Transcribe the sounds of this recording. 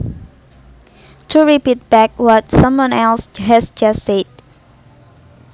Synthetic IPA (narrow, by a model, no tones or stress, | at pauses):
tʰuɹipit̚b̥ɛk̚wɔt̚sʌ̃mwɔ̃nɛlsɦɛsd͡ʒʌsːed̚